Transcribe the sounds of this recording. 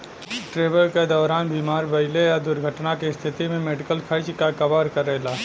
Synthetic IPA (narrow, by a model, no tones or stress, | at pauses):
ʈɾeːʋəlked̪ɔːɾaːnbiːmaːɾbəɪlejad̪ʊɾɡʱəʈnakest̪ʰɪt̪imẽmeːɖɪkəlkʰəɾt͡ʃkakəbaːɾkəɾeːlaː